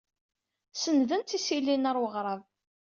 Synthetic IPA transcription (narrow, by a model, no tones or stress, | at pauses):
sənðənt̪isilːinəɾwəʁɾˤɑv